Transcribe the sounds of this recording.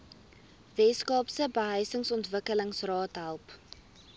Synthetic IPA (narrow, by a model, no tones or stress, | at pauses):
vɛskɑːpsəbəɦəjsəŋsɔntvəkələŋsrɑːtɦælˠp